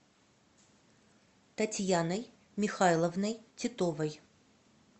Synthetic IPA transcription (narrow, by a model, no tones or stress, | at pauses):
t̪ɐtʲjanəj | mʲɪxajlˠəvnəjtʲɪt̪ovəj